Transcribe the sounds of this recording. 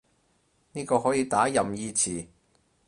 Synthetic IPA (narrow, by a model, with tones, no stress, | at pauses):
niː˥kɔː˧ɦɔː˨˥jiː˨˧t̪aː˨˥jɐ˨mjiː˧t͡sʰiː˨˩